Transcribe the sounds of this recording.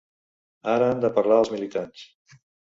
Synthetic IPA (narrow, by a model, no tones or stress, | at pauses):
aɾəand̪əpəɾlaəlˠzmilit̪ans